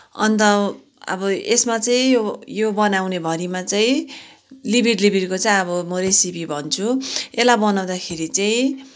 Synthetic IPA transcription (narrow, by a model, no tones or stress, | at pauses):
ʌ̰nt̪ʌ | ʌ̰bʌesmat͡saĩjojobʌnawnebʱʌɾimat͡saĩ | libʱiɽlibʱiɾkot͡saĩʌbʌmʌɾesibibʱʌnt͡sʰuelabʌnaw̃d̪akʰeɾit͡saĩ